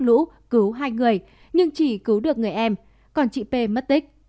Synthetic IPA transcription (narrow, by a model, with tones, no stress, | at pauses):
lṵ˧˥ | kɨ˨˦wɦaː˧jŋɨ˨˩əj | ɲɨ˧ŋt͡ɕi˧˩kɨ˨˦wɗɨ˨˩ək̚ŋɨ˨˩əjʔɛ˧m | kɔ˨˩nt͡ɕḭ˧˨pe˧mə˦˥t̚t̪i˦˥k̚